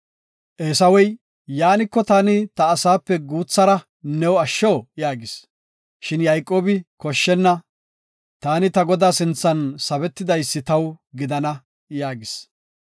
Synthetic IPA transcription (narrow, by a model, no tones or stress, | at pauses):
ʔeːsɐwɔj | jaːnɪkːɔt̪aːnɪt̪ɐːsaːpːɛɡuːt͡sːɐɾɐ | nɛwɐʃːoːjaːɡɪs | ʃɪnjɐjkʼo̞ːbɪkɔʃːɛnːɐ | t̪aːnɪt̪ɐɡɔd̪aːsɪnt͡sːɐnsɐbɛt̪ːɪd̪ɐjsːɪt̪ɐwɡɪd̪ɐnɐ | jaːɡɪs